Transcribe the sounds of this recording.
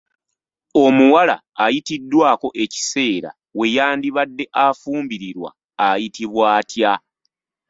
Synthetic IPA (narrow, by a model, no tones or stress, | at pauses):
o̞muwala̰ːjitidːwaːko̞ʔe̞ci̥se̞ːɾa̰ | we̞jaːndiβadːe̞ʔafuːmbiɾiɾwa̰ː | jitiβwaːtja